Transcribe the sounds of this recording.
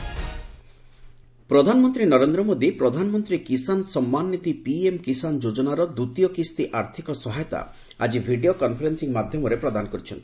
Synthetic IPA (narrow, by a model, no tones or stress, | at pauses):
pɾɔd̪ʱanɔmɔnt̪ɾinɔɾend̪ɾɔmod̪ipɾɔd̪ʱanɔmɔnt̪ɾikisansɔmːanːit̪ipiemkisand͡ʒod͡ʒɔnaɾɔd̪ut̪ijɔkist̪iʔaɾt̪ʰikɔsɔɦajɔt̪a̰ | a̰d͡ʒibʱiɖiokɔnpʰɔɾensiŋmad̪ʱjɔmɔɾepɾɔd̪anɔkɔɾit͡ʃʰɔnt̪i̥